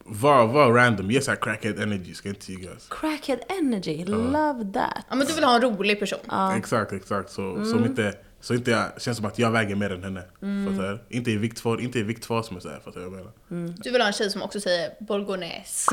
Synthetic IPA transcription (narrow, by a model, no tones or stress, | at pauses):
vavaɾænd̪ɔmjɛsækʰɾækəd̪ɛnəɡɪskajɪnt̪ə̥jiɡa̰skʰɾækʰəd̪ɛnæd͡ʒɪlɐvðæ̰t̪ʔmɛnd̪ɵvɪlhɑːɛnɾuːlɪɡ̚pʰæʂṵːnːɛksak̚t̪ɛksak̚t̪sɔsɔmɪnt̪ə | sɔɪnt̪əɕɛnsɔmat̪jɑːɡvɛːɡəmeːɾɛnhɛnːəfat̪aʔɪnt̪əɪvɪk̚t̪fɔɾʔɪnt̪əɛvɪkt̪fɔsɔmɛsɛ̰ɾfat̪vajaɡmeːnaɾd̪ɵvɪlhɑːɛnɕɛjːsɔmɔ̰ksɔsɛjːəɾbɔlɡʊnɛ̰ːs